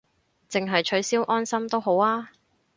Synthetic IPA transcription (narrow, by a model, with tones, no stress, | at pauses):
t͡sɪ˨ŋɦɐ˨jt͡ʃʰɵ˨˥ɥsiː˥wʔɔː˥nsɐ˥mt̪o˥wɦo˨˥waː˥